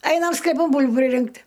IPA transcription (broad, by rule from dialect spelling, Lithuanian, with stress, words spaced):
ˈɐɪnɐm sklʲɛˈpɐn ˈbuːlʲbuː pʲrʲɪˈrʲɪŋktʲ